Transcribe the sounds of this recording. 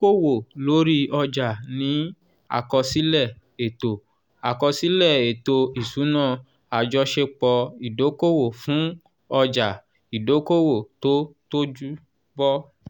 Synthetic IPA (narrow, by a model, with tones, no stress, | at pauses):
ko˦˨wo˨lo˨˦ɾi˦ɔ˧d͡ʒa˨nĩ˨˦ | a̰˦˨kɔ˧si˦lɛ˦˨ | e˨to˨ | a˨kɔ˧si˨˦lɛ˦˨e˨to˧i˨su˨˦nãː˦˨ | a˨d͡ʒɔ˧ʃe˧k͡pɔ˧i˨do˨˦ko˦˨wo˨fũ˨˦ | ɔ˧d͡ʒa˨ | i˨do˨˦ko˦˨wo˨to˦to˦d͡ʒu˦ | bɔ˦